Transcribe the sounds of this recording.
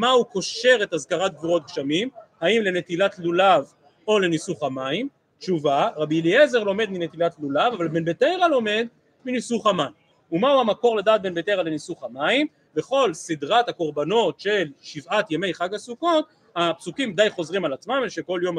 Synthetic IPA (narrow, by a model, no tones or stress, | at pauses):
mauko̞ʃe̞ʁe̞t̪azkaʁat̪̚ɡviʁo̞t̪̚kʃamimhaimle̞ne̞t̪ilat̪lulav | o̞le̞nisuχamaim | tt͡ʃuvaʁabiliezeʁlo̞me̞d̪minet̪ilatlulavavalbe̞nbet̪ejʁalo̞me̞d̪ | minisuχaman | umauamako̞ʁledaːt̪̚be̞nbet̪eʁalenisuχamaim | be̞χo̞lsid̪ʁat̪hako̞ʁbano̞t̪ʃe̞lʃivat̪jeme̞jχaɡasuko̞t̪̚ | hapsukimd̪ajχo̞zʁimalat͡smamelʃeko̞ljo̞m